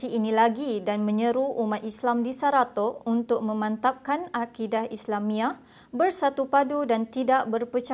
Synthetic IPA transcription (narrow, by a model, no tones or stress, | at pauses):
t̪iːnĩlaɡidanmə̃ɲəɾuumat̪̚islamdisaɾat̪ɔunt̪ʊk̚mə̃mãnt̪ap̚kanakidahislamĩaʔ | bərsat̪upadudant̪idaʔbərpət͡ʃa